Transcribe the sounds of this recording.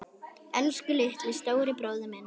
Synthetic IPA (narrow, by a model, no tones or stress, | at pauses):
ɛlskʏlɪht̪vɪðst̪oːwɾɪpɾoːwðʏmɛn